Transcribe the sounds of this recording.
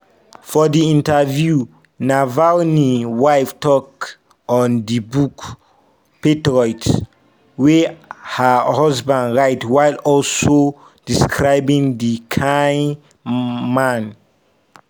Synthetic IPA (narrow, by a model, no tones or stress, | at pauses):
fɔdiĩntavju | navalniwajftɔk | ɔ̃ndibuk | petɹɔjt | wehahɔzbãndɹaɪtwajlɔlso | d̥iskʰɹaɪbĩŋdikʰãj̃n | mãn